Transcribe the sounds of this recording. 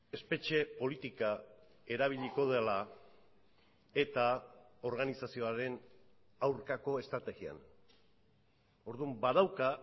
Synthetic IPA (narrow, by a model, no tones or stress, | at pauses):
e̞spe̞t͡ʃe̞po̞lit̪ika | e̞ɾaβ̞iʎiko̞ðela | e̞t̪ao̞ɾɣ̞anisasio̞aɾe̞n | awɾkako̞e̞st̪ɾat̪e̞ɣia̰n | o̞ɾðumbað̞awka